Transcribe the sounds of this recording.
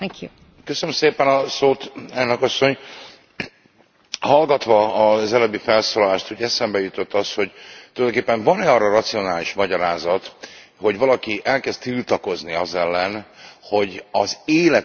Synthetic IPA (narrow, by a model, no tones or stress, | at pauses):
ɛkju | køsønømseːpɛnɒsoːt̪ɛlnøkɒsːo̞ɲ | hɒlɡɒt̪ʋɒːzɛløbifɛlsoːlɒlaːʃt̪uːɟɛsɛmbɛjut̪o̞t̪ːɒsho̞ɟt̪olɒjd̪oːkepːɛɱvɒnɛɒrːɒrɒt̪sio̞naːliʃmɒɟɒɾaːzɒt̪ho̞ɟvɒlɒkiʔɛlkɛst̪t̪ilt̪ɒko̞zniɒzɛlːɛnho̞ɟɒzeːlɛ